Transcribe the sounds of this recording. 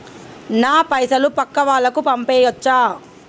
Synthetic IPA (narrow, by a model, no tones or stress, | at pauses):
naːpɐjsɐlupɐkːɐʋaːlːɐkupɐmpeːjɐt͡ʃːaː